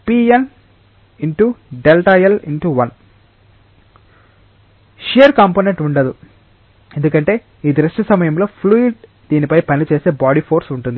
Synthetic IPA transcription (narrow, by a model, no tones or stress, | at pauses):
piːen | iɳʈuɖelʈɐjɐliɳʈuʋɐn | ʃijɐɾkaːmponeɳʈuɳɖɐd̪u | e̞nd̪ukɐɳʈe̞ː | iːd̪ɾuʂʈɐsɐmɐjɐmlo̞ːpʰluiʈ̚ | d̪̥iːnipɐjpɐnit͡ʃe̞ːse̞ːbaːɽipʰo̞ːɾsuɳʈund̪i